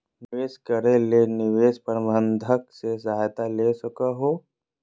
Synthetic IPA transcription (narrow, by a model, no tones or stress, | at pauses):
nɪʋeːskəɾelenɪʋeːʃpəɾbʱə̃nd̪ʱəksesɐaːjt̪aleːsʊkaɦoː